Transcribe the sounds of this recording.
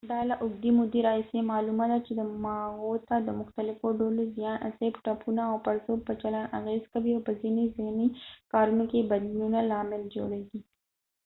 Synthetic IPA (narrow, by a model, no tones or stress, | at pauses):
d̪ɑlaʔʊɡ̚d̪imʊd̪eɾɑɦisemɑlumad̪at͡ʃed̪əmɑɣot̪ad̪əmʊxt̪alɪfoɖolozijɑnʔa̰sebʈapʰunaːwpaɾzopət͡ʃalana̰ɣezkawiawpəzinezɪhnikɑɾunokebad̪lunalɑmɪld͡ʒo̰ɽeɡi